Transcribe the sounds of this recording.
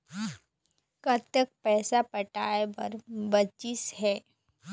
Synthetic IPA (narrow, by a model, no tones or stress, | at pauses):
kəɾt̪ək̚pɛːsapɐʈaːebɐ̰ɾbɐt͡ʃɪsɦɛː